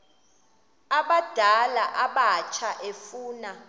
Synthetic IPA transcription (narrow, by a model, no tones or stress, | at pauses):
aɓad̥ʱalaʔaɓat͡ʃʰaʔefuːna